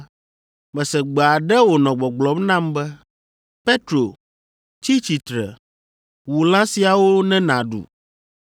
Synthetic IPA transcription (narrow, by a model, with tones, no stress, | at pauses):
mɛ̃˨sɛ˨ɡ͡bɛ˨a˨ɖɛ˦wo˨nɔ̃˨ɡ͡bɔ˨ɡ͡blɔ˦mnã˦˨mbɛ˦ | pe˦t̪ɾo˨ | t͡ɕi˦t͡ɕi˨t̪ɾɛ̰˨ | wu˨lã˦si˨a˨wo˦nɛ̃˦nã˨ɖṵ˨